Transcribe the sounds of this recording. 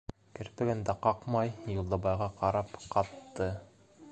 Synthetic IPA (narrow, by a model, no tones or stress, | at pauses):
kɘ̆ɾp̪ɘ̆ɡɘ̆nd̪æqɑqmɑjjulˠd̪ɑ̆bɑjʁɑqɑɾɑpqɑt̪ːɤ